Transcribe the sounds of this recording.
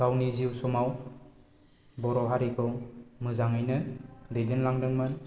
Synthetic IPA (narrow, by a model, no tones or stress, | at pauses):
ɡ̥awniziwsɔmaw | bɔɾɔɦaɾikʰɯwmɯzaŋɯjnɯdejdɯnlaŋdɯŋmɯn